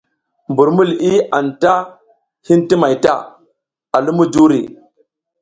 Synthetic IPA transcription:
mbu˨ɾmu˦li˦a˨nta˦ | hi˦nti˦ma˨jta̰˦˨ | a˨lu˦mu˦du˦ɾḭ˨

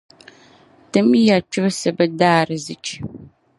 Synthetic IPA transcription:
tɨ˦m˦ja˨t͡ʃʰɨ˦bsɨ˨bɨ˦daː˦ɾɨ˨zɨ˨t͡ʃʰ

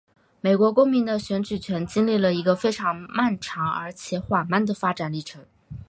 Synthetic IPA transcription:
me˨˩ɪkwɔ˧˥kʊ˥ŋmi˧˥ŋd̪ə˧ɕɥɛ˧˥nt͡ɕy˨˩t͡ɕʰɥɛ˧˥nt͡ɕi˥nli˥˩lə˩i˧˥ɡə˧fe˥ɪʈ͡ʂʰɑ˧˥ŋma˥˩nʈ͡ʂʰɑ˧˥ŋə̰˞˧˥t͡ɕʰjɛ˧˥xwa˨˩nma˥˩nd̪ə˩fa˥ʈ͡ʂa˨˩nli˥˩ʈ͡ʂʰɤ˧˥ŋ

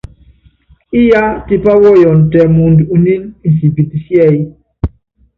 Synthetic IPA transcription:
i˦ja˦ti˦pa˦wɔ˦jɔ˨n˨tɛ˨mu˨ndu˨ni˦ni˨n˨si˨bi˨t̪i˨sjɛ˦˨j

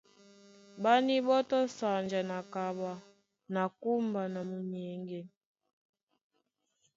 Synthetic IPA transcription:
ba˦ni˦ɓɔ˦tɔ˦sa˨nd͡ʒa˨na˨ka˨ɓa˨ | na˨ku˦mba˨na˨mu˨ɲɛ˨˦ŋɡɛ˦

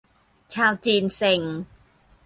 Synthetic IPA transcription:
t͡ɕʰaː˧wt͡ɕiː˧nse˧˩ŋ

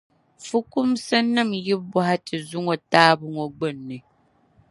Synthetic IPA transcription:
fu˦ku˦msɛ˦nɨ˦˨mji˦bɔ˨ha˦tɨ˨zu˦ŋo˨taː˦bɨ˦ŋo˨ɡ͡bə˦˨nːɨ˨

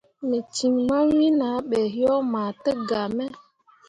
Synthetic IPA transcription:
me˨t͡ʃi˨ŋma˦wi˦na˨˦ɓɛ˨ɦjɔ˦ma˨tə˦ɡa˨mɛ˦

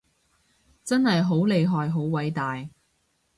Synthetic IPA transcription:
t͡sɐ˥nɦɐ˨jɦo˨˥wle˨˧jɦɔː˨jɦo˨˥wwɐ˨˥jt̪aː˨j

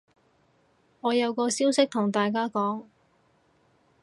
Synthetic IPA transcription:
ŋɔː˨˧jɐ˨˧wkɔː˧siː˥wsɪ˥k̚t̪ʰʊ˨˩ŋt̪aː˨jkaː˥kɔː˨˥ŋ

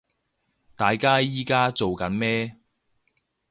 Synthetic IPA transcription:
t̪aː˨jkaː˥jiː˥kaː˥t͡so˨wkɐ˨˥nmɛː˥

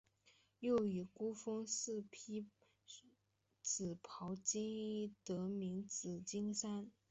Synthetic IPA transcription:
jo˥˩ʊy˨˩ku˥fɤ˥ŋs̩˥˩pʰi˥ | t͡sɹ̩˨˩pʰɑ˧˥ʊt͡ɕi˥ŋi˥˩t̪ɤ˧˥mi˧˥ŋt͡sɹ̩˨˩t͡ɕi˥ŋsa˥n

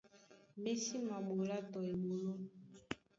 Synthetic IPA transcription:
me˦si˦ma˨mo˨la˦tɔ˨e˨mu˨lo˦

